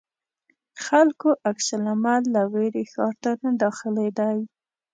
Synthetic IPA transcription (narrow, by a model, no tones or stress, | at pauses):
xalkoʔaksalamalːaweɾexɑɾt̪anad̪ɑxɪled̪aj